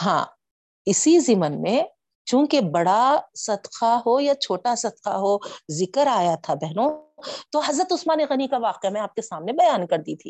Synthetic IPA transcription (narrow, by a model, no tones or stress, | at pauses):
ɦã̰ː | ɪsizɪmənmẽ | t͡ʃũːkebɐɽasɐd̪qaɦojat͡ʃʰoːʈasɐd̪qa̰ɦozɪkəɾaːjat̪ʰabɛɦnõt̪oɦɐzɾət̪ʊsmaːneɣɐnikaʋaːqemẽaːp̚kesaːmnebɐjaːnkɐɾd̪it̪ʰḭː